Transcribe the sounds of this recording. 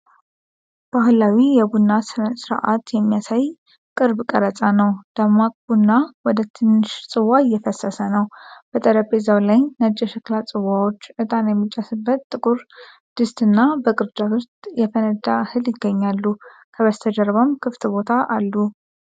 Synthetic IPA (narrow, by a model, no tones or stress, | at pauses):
b̥ahlawijɛbunːassɨɾa̰ʔat̪jɛmːijasaj | kʼɨɾbkʼəɾət͡sʼanəwd̪̥əmakʼbunːawɔd̪ət̪ʰɨnːɨʃsʼɨwajɛfəsəsənəwb̥ət̪ʼəɾəpezawlajnəd͡ʒːɛʃɛklat͡sʼɨwawot͡ʃːʔɨt̪ʼanjɛmːit͡ʃʼːasɨbːət̪t̪ʼːɨkʼuɾ | d̪̥ɨst̪ʼɨnːabəkʼɨɾd͡ʒ̪awɨɾt̪jɛfənəd̪ahɨljɪɡːəɲːalːu | kʰəβəst̪ʰəd͡ʒəɾβamkʰɨft̪ʰbo̞t̪ʰaʔalːu